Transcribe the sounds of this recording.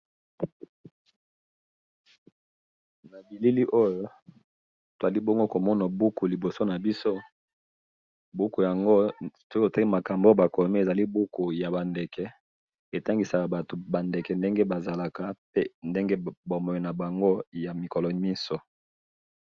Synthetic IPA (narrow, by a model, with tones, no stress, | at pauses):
na˨bi˨li˦li˦ʔo˦jo˦ | to˨za˨li˦bɔ˦ŋɡo˦ko˨mɔ˦na˨bu˦ku˨li˨bo˨so˦na˨bi˦so˦ | bu˦ku˨ja˨ŋɡo˦˨to˦o˨te˦ma˨ka˨mbo˦ba˨ko˨mɛ˦e˨za˨li˦bu˦ku˨ja˨ba˨ndɛ˨kɛ˨ | e˨ta˦ŋɡi˨sa˨ka˨ba˨to˨ba˨nde˨kɛ˨nde˦ŋɡe˦ba˨za˨la˨ka˨pe˦nde˦ŋɡe˦bo˨mɔ˨e˨na˨ba˨ŋɡo˦ja˨mi˨kɔ˨lɔ˨mi˦sɔ˨˦